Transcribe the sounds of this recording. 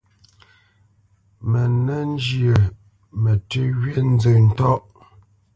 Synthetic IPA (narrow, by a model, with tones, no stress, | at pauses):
mɛ˨nɛ˦n˦d͡ʒjə˨ | mɛ˨tə˦ɣɥe˦n̩˦d͡zə˨n̩˦tɔ˦ʔ